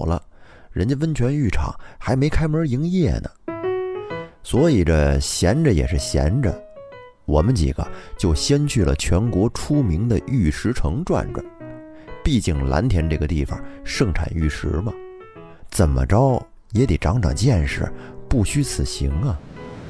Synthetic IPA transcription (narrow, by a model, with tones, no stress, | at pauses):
lə̰˦ | ɻə˧˥nt͡ɕɛ˥wə˥nt͡ɕʰɥɛ˧˥ny˥˩ʈ͡ʂʰɑ̰˨˩˦ŋxa˧˥ɪme˧˥ɪkʰa˥ɪmə˞˧˥i˧˥ŋjɛ˥˩nə̰˩ | swɔ˧˥i˨˩ʈ͡ʂə˧ɕjɛ˧˥nʈ͡ʂə˧jɛ̰˨˩ʂɻ̩˥˩ɕjɛ̰˧˥nʈ͡ʂə̰˧ | wɔ˨˩mə˦nt͡ɕḭ˨˩ɡ̥ə̰˦t͡ɕjo˥˩ʊɕjɛ˥nt͡ɕʰy˥˩lə̰˩t͡ɕʰɥɛ˧˥nkwɔ˧˥ʈ͡ʂʰu˥mi˧˥ŋd̪ə˧y˥˩ʂɻ̩˧˥ʈ͡ʂʰɤ˧˥ŋʈ͡ʂwa̰˥˧nʈ͡ʂwa̰˨˩˦n | pi˥˧t͡ɕi˥˩ŋla̰˧˥nt̪ʰjɛ˧˥nʈ͡ʂɤ˥˩ɡə˩t̪i˥˩fɑ̰˨˩ʂɤ˥˧˩ŋʈ͡ʂʰa̰˨˩ny˥˩ʂɻ̩˧˥mɐ˧˨ | t͡sə˨˩nmə̰˩ʈ͡ʂɑ˥ʊ | jɛ˧˥t̪i˨˩ʈ͡ʂɑ˧˥ŋʈ͡ʂɑ̰˨˩ŋt͡ɕjɛ˥˧nʂɻ̩̰˥˩pu˥˩ɕy˥t͡sʰɹ̩˨˩ɕḭ˧˥ŋə˨